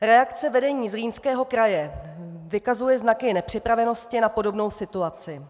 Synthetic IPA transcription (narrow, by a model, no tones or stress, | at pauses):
ɾɛakt͡sɛvɛdɛɲiːzriːnskɛːɦo̞kɾajɛvɪkazujɛznakɪnɛpr̝̥ɪpɾavɛno̞scɪnapo̞do̞bno̞wsɪt̪uat͡sɪ